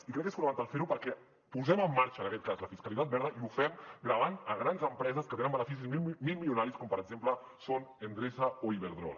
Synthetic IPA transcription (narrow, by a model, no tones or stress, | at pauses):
ikɾɛkːesfunmant̪alˠfeɾupəɾkɛ | puzɛməmːaɾt͡ʃəːnəkɛt̪̚kazləfiskəlit̪at̪̚bɛɾðəiufɛmɡɾəβanəɣɾanzəmpɾɛzəskət̪enəmənəfis̬izmilˠmilunaɾiskɔmpəɾəɡzemplə | sonend̪ɾezəoiβeɾðɾɔ̰l